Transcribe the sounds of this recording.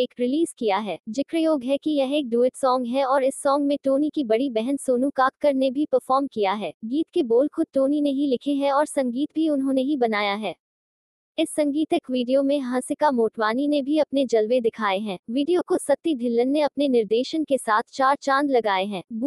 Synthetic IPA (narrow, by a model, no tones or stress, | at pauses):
eːkɾɪliːzkijaɦɛːd͡ʒɪkɾəjoːɡɦɛkijɐɦeːk̚ɖuːɪʈsɔːŋɡɦɛɔːɾɪsːɔːŋɡmẽʈoːnikibɐɽibɛɦənsoːnũkaːkkːɐɾnebʱipɐɾfɔːɾmkijaɦɛːɡiːt̪keboːlkʊʈoːnineɦilɪkʰeɦɛ̃ɔːɾsɐ̃ŋɡiːt̪̚bʱiʊnɦõːneɦibɐnaːjaɦɛː | ɪsːɐ̃ŋɡiːt̪ekʋiːɖijomẽɦãːsɪkamoːʈʋaːninebʱiɐpned͡ʒɐlʋed̪ɪkʰaːeɦɛ̃ːʋiːɖijokosɐt̪ːid̪ʱɪlːənːeɐpnenɪɾd̪eːʃənkesaːt̪ʰt͡ʃaːɾt͡ʃãːnd̪lɐɡaːeɦɛ̃ːb